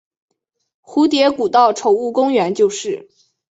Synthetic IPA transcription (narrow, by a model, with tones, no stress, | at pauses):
xu˧˥t̪̬jɛ˧˥ku˨˩t̪ɑ˥˩ʊʈ͡ʂʰo˨˩ʊu˥˩kʊ˥ŋɥɛ˧˥nt͡ɕjo˥˧ʊʂɻ̩˥˩